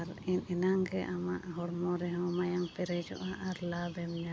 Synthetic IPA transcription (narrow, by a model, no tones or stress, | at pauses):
aɾɛnɛnaŋɡɛʔamaʔɦɔɽmɔɾɛɦɔ̃majaŋpɛɾɛd͡ʒɔ̰ʔaʔaɾlabɛmɲa